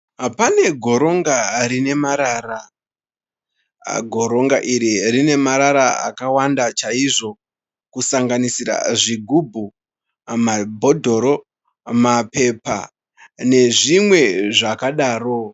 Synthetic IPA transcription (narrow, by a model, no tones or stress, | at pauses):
pane̞ɡʱo̞ɾo̞ŋɡarine̞maɾaːra | ɡʱo̞ɾo̞ŋɡaʔiɾirine̞maɾaɾaa̰kawandat͡ʃaiʐo̞ | kusaŋɡanisiɾa̰ʐiɡʱubʱu | mabʱo̞dʱo̞ɾo̞ | mape̞pa̰ | ne̞ʐimwe̞ʐakaɗaːro̞